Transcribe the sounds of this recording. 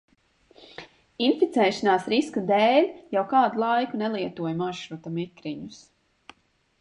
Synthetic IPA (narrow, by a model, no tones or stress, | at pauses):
infit̪sɛːʃanaːsɾiskad̪eːlʲjawkaːd̪ulˠajkunɛlˠiɛt̪uɔjmaʃɾut̪amikɾiɲus